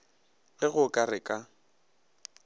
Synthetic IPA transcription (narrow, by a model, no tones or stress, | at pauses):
ɣɪɣʊkʼarɪkʼa